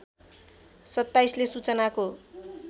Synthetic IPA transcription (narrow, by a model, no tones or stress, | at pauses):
sʌt̪ːajslesut͡sʌnako